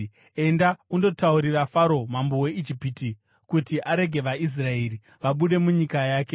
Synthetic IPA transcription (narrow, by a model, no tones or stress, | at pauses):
e̞ndaundo̞tauɾirafaɾo̞mambo̞we̞id͡ʒipiti | kutiʔaɾe̞ɡʱe̞ʋais̬rae̞ɾi | ʋaɓuɗe̞muɲikajaːke̞